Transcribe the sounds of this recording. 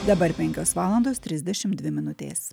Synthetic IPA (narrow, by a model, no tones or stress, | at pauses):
d̪ɐbɐɾpʲɛŋʲkʲoːsʋɑːlˠɐnd̪oːst̪ʲɾʲɪzʲd̪ʲɛʃʲɪmd̪ʲʋʲɪmʲɪnʊt̪ʲḛːs